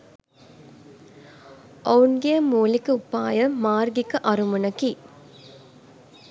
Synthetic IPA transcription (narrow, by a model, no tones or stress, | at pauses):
ʔɐunɡijɐmuːlikːɯupːa̰ːjɐmaːɾɡikːɨʔɐɾumunɐki